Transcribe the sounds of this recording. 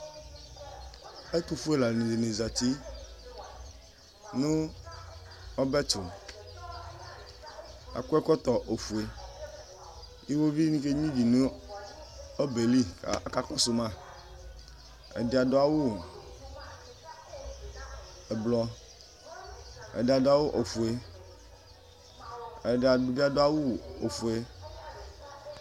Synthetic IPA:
e˦t̪u˨fu˦e˨la˨nẽ˨de˨ne˨za˨t̪i˦ | nu˦ | ɔ˦bɛ˦t͡ʃʊ˨ | a̰˨ku˦ɛ˦kɔ˦t̪ɔ˨ʔo˨fu˨e˨ | i˦wo˦vi˦nĩ˦ke˦ɲĩ˦vi˨ne˦ | o˦be˨lḭ˦˨ka˦kɔ˦su˨mã˦ | ḛ˨de˨a˨do˦a˦˨wu˦ | e˨blɔ˦ | ḛ˨de˨a˨da˦wo˦ʔo˨fu˨e˨ | e˨da˨du˨bi˦a˦do˦a˦wu˦˨o˨fu˨e˦

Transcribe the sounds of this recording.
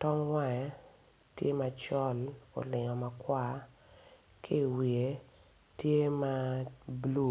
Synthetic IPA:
tɔ˦ŋwa˦ɛ˨˦ | tjḛ˦ma˨t͡ʃɔ˦lo̰˨lɪ˨ŋɔ˨ma˨kwa˦˨ | kʰi˦˨wi˨e˨˦ | tje˦ma˦blu˦˨

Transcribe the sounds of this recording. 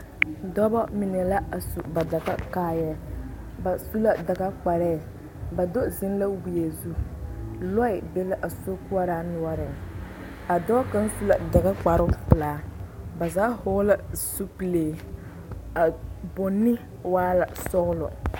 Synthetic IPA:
dɔ˦bɔ˦mi˨n˨ɛ˨la˦ʔa˨su˨ba˨da˨ɣa˦kaː˦jɛ˦ | ba˨su˦la˦da˨ɡa˦k͡pa˨ɾɛː˦˨ | ba˨do˦zɪ˦n˦la˦wi˨je˨zu˦ | lɔ˦ɪ˨be˦la˦ʔa˨so˦ku˦a˦ɾa˦nʊ˨ɔ˦ɾɪ˨ŋ | a˨dɔ˦ka˦n˦su˦la˨da˨ɣa˦k͡pa˨ɾʊ˦pʊ˨laː˨˦ba˨zaː˨˦ho˦la˦su˦pi˨leː˨ | a˨bo˨nɪ˦ | waː˦la˨sɔ˦ɣlɔ̰˨

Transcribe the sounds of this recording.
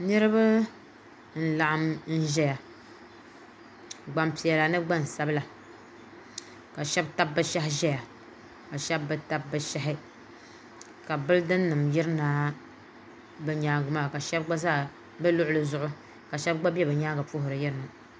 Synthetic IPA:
nɨ˦ɾɨ˦ba˦ | n̩˨˦la˨ʔa˦mn̩˦ʒɛ˦ja˨ | ɡ͡ba˨mpi˨ɛ˨la˨nɨ˦ɡ͡ba˦n˨sa˦bɨ˦la˨ | ka˨ʃɛ˦bta˦b̚ːɨ˦ʃa˦ɦɪ˦ʒɛ˦ja˨ | ka˨ʃɛ˦bːɨ˦ta˦b̚ːɨ˦ʃa˦ɦɪ˦ | ka˨bɨ˦ldɨ˦nː˦ɨ˨mjɪ˦ɾɨ˦na˦ | bɨ˨ɲaː˨ɡʊ˦ma˨ka˨ʃɛ˦b̚ɡ͡ba˦zaː˦˨ | bɨ˦lʊ˦ʔʊ˦lɨ˨zʊ˨ʔʊ˦ | ka˨ʃɛ˦b̚ɡ͡ba˦bɛ˦bɛ˨ɲaː˦ɡa˨fʊ˦hʊ˨ɾɨ˨jɪ˦ɾɨ˦na˨

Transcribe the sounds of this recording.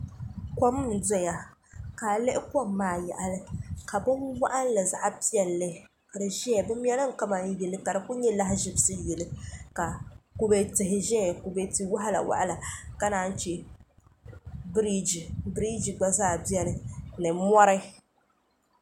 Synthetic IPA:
kɔ˦m˦n̩˨dɛ˦ja˨kaː˨lɨ˦ʔɪ˦kɔ˦˨mː˦aː˦˨jɛ̰˨ʔa˨lɨ˦ka˨bɨ˦nwa̰˦ʔa˦n˦lɨ˨za˨ʔa˦pi˦ɛ˨lːɨ˦ | ka˨dɨ˨ʒɛ˦a˨bɨ˦m˦jɛ˦lɨ˦ŋ̩˨ka˦ma˨n̩˦jɛ˨lɨ˦ka˨dɨ˨ku˦ɲɛ˦la˦ɦɪ˦ʒɪ˦bɨ˦sɨ˦jɛ˨lɨ˦ka˨ku˦bɛ˨tɪ˨ɦɪ˨ʒɛ˦˨ku˨bɛ˨ti˨wa˦ɦa˦la̰˨wʔa̰˦ʔa˦la˨ka˦naː˦n̩˦t͡ʃɛ˦ | bɾi˦d͡ʒi˨bɾi˦d͡ʒi˨ɡ͡ba˦zaː˦˨bi˦ɛ˦nɨ˨nɨ˨mɔ˦ɾɨ˦

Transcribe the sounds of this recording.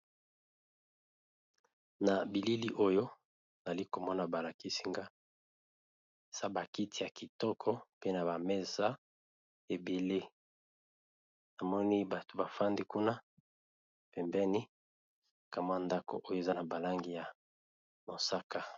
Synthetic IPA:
na˨bi˨li˦li˦ʔo˦jo˦˨ | za˨li˦ko˨mɔ˦na˨ba˨la˨ki˦si˦ŋɡa˦˨ | sa˦ba˨ki˦ti˨ja˨ki˨tɔ˦kʰɔ˦pe˦na˨ba˨me˦za˦ | e˨be˨le˦ | na˨mɔ˦ni˦ba˨to˨ba˨fa˦ndi˦ku˦na˦ | pɛ˨mbɛ˦ni˦˨ | ka˨mwa˦˨nda˦ko̰˨ʔo˦jo˦e˨za˦na˨ba˨la˦ŋɡi˨ja˨ | mo˨sa˦ka˦

